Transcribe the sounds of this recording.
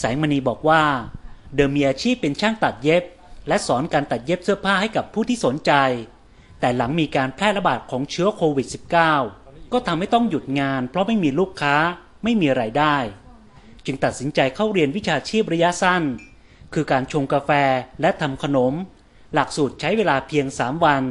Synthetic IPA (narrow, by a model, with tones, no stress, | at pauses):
saː˩˦ŋma˧niː˧bɔː˨˩k̚waː˥˩dɤː˧mːiː˧ʔaː˧t͡ɕʰiː˥˩pːe˧nt͡ɕʰaː˥˩ŋt̪a˨˩t̪̚je˦˥p̚ | lɛ˦˥ʔsɔː˩˦nkaː˧nt̪a˨˩t̪̚je˦˥p̚sɯ˥˩ɐəpʰaː˥˩ha˥˩jka˨˩pʰːuː˥˩t̪ʰiː˥˩so˩˦nt͡ɕa˧j | t̪ɛː˨˩la˩˦ŋmiː˧kaː˧npʰlɛː˥˩la˦˥baː˨˩t̪̚kʰɔː˩˦ŋt͡ɕʰɯ˦˥ɐkʰoː˧wi˨˩t̪̚si˨˩p̚kaː˥˩wkɔː˥˩t̪ʰa˧mha˥˩jt̪ɔ˥˩ŋju˨˩t̪̚ŋaː˧npʰɾɔ˦˥ma˥˩jmiː˧luː˥˩kʰːaː˦˥ | ma˥˩jmiː˧ɾaː˧jdaː˥˩j | t͡ɕɯ˧ŋt̪a˨˩t̪̚si˩˦nt͡ɕa˧jkʰa˥˩wɾi˧ənwi˦˥t͡ɕʰaː˧t͡ɕʰiː˥˩p̚ɾa˧˥ja˦˥sa˥˩n | kʰɯː˧kaː˧nt͡ɕʰo˧ŋkaː˧fɛː˧lɛ˦˥t̪ʰa˧mkʰa˧no˩˦m | la˨˩k̚suː˨˩t̪̚t͡ɕʰa˦˥jweː˧laː˧pʰi˧əŋsaː˩˦mwa˧n